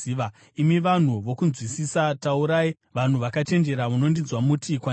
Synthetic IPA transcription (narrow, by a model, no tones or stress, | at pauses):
ʋa | imiʋan̤uʋo̞kunzwisisatauɾaːi | ʋan̤uʋakat͡ʃe̞nd͡ʒe̞ɾamuno̞ndinzwamutʰikwa